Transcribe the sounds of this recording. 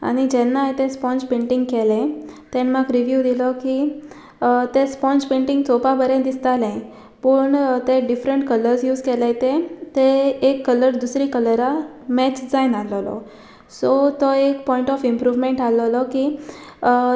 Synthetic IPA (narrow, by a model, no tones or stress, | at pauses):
a̰ɽ̃id͡ʑɛnːajt̪ẽspɔ̃nspẽɳʈĩŋɡkɛlẽt̪ẽnmakɾiʋjud̪ilɔki | t̪espɔ̃nspẽɳʈĩŋɡt͡sopabəɾẽd̪ist̪alẽ | pəɳt̪eɖifɾəɳʈkələɾsjuːzkɛlẽt̪ẽt̪eːkːələɾd̪usɾikələɾa | mɛt͡ɕd͡zajnalɔlɔ̰ | sɔt̪ɔekpɔĩɳʈɔfimpɾuʋmeɳʈalɔlɔki